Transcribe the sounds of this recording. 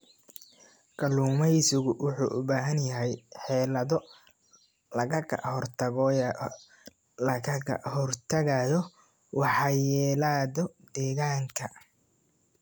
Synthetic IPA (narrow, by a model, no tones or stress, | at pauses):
ɡ̥ɐluːmɛjsɪɣʊwʊħṵːʔʊbaːɦɐnjɐɦɛjħɛːlɐðɔ | lɐɣɐkʰɐhɔrt̪ʰɐɣ | lɐkɐkʰɐ̰hɔrt̪ʰɐɣɐjɔ | wɑħɑjɛːlaːðɔd̪ɛːɣaːŋkʰɐ